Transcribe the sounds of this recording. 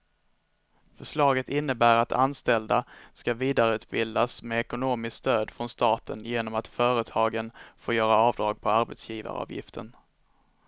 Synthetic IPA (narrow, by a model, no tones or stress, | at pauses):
fœʂɭɑːɡət̪ɪnːəbæːɾat̪ʰa̰nst̪ɛld̪askaviːd̪aɾəʉ̟ːt̪̚bɪld̪asmɛɛkʊnoːmɪskst̪øːd̪fɾɔnst̪ɑːt̪ʰə̰njeːnɔmat̪fœːɾət̪ʰɑːɡənfoːjœːɾaɑːvd̪ɾɑːɡ̚pʰɔaɾbɛt̪sjiːva̰ɾ̰ɑ̰ːvjɪ̰ft̪ʰə̰n